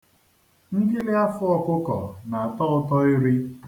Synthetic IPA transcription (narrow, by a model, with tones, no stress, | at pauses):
ŋ̩˦ɡi˦lɪ˦a˦fʊ˦ɔ˨kʊ˦kɔ̰˨na˨a˨tɔ˦ʊ˦tɔ˦ɪ˦ɾi˦